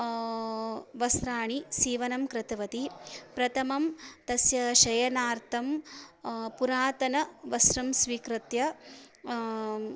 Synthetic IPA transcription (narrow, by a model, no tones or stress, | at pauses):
ʋɐsɾaːɳisiːʋɐnɐmkɾɪt̪ɐʋɐt̪ipɾɐt̪ʰɐmɐmt̪ɐsjɐʃɐjɐnaːɾt̪ʰɐm | puɾaːt̪ɐnɐʋɐsɾɐmsʋiːkɾɨt̪jɐ